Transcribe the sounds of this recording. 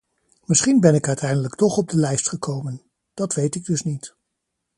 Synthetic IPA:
mɪsχinbɛnɪkœɥtɛjndələktɔχɔb̚dəlɛjstχəkowmən | d̥ɑtʋejtɪɡ̚dɵsnit

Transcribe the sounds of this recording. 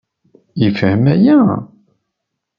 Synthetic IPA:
jəfhəmæjæ

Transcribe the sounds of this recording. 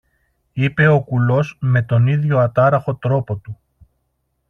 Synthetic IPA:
ipe̞o̞kulo̞sme̞t̪o̞niðʝo̞ɐt̪ɐɾɐxo̞t̪ɾo̞po̞t̪u

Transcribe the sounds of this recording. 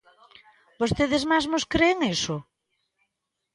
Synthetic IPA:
bost̪eðɪzmazmʊskɾeːŋesʊ

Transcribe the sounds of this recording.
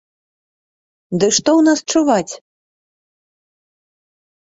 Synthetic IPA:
d̪ɨʂt̪ɔwnast͡ʂuvat͡sʲ

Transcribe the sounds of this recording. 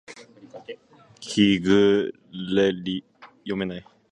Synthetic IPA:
kʰiɡɯ | leli | jomenaj

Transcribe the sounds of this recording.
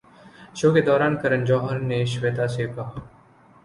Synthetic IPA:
ʃoːked̪ɔːɾaːnkɐɾənd͡ʒɔːɦəɾneʃʋeːt̪aːseːpaː

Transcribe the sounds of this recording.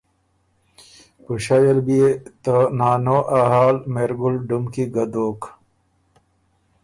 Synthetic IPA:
puɕajelbiet̪ənaːnoʔaɦaːlmeɾɡulɖumkiɡɐd̪oːk

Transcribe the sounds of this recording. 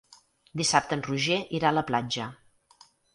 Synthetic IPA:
d̪isap̚t̪ənruʒeʔiɾaələplad͡ʒə

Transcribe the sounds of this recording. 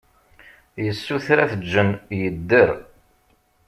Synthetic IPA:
jəsːuθɾæθəd͡ʒːənjəd̪ːəɾ

